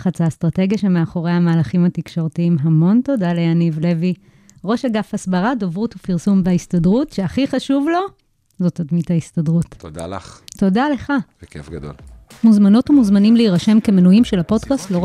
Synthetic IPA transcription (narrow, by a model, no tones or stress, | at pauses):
χat͡sastʁate̞ɡjaʃemeaχo̞ʁejhamaːlaχimhatikʃo̞ʁtiimɦamo̞nto̞daleanivle̞vi | ʁo̞ʃaɡafasbaʁadovʁutufiʁsumveaistadʁutʃeaχiχaʃuvlo̞ | zo̞tadmithaistadʁuttod̪a̰lto̞dale̞χaekefɡad̪o̰l | muzmano̞tumuzmanimleiʁaʃe̞mke̞menujimʃelapo̞dkastloʁ